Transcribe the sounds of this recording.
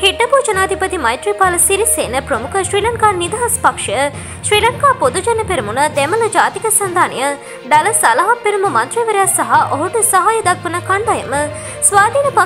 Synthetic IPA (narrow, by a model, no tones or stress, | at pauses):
hiʈːɐpuːd͡ʒɐnaːt̪ipɐt̪imɐjʈ̪ɾiːpaːlɐsiɾiseːnəpɾəmukəʃɾiːlɐŋkaːnid̪aɦɐspɐkʂɐjə | ʃɾiːlɐŋkaːpod̪ud͡ʒɐnːɐpeɾimunəd̪ɛməlɐd͡ʒaːt̪ikəsɐnd̪ʱaːnijə | ɖɐlɐsɐlɐɦɐpːeɾumumɐnt̪ɾiːʋəɾejasːɐɦaʔoɦuʈusɐɦaːjɐd̪ɐkʋɐnəkɐnd̪ɐjəmə | sʋaːd̪ʱiːnɐpa